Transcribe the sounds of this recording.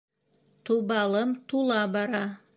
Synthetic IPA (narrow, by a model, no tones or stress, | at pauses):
t̪uβɑlˠɤmt̪ulˠɑbɑɾɑ